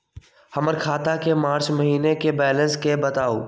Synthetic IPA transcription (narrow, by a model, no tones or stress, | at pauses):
hɐməɾkʰaːt̪akemaːɾt͡ʃmɐɦiːnekebɛːlə̃nskebət̪aːo̰ː